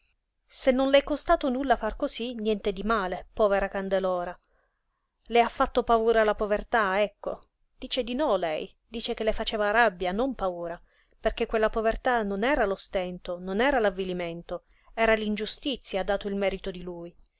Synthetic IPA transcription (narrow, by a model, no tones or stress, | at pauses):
senːonlɛkːost̪aːt̪onulːafarkozinjɛnt̪ed̪imaːlepɔːveɾakand̪elɔːɾa | leafːat̪ːopauːɾalapovert̪aɛkːo | d̪̥iːt͡ʃed̪inɔlɛj | d̪iːt͡ʃek̟elːefat͡ʃeːvaɾabːjanompauːɾa | perk̟ekːwelːapovert̪anonɛːɾalost̪ɛnt̪ononɛːɾalavːiliment̪o | ɛːɾalind͡ʒust̪it̪sːjaːd̪ːaːt̪oilmɛːɾit̪od̪iluj